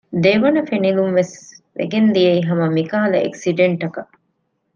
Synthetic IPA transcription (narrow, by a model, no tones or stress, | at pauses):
d̪eʋɐnɐfenilumʋesʋḛɡend̪ijɐiɦɐmɐmikaːlɐḛksiɖeɳʈɐkɐʔ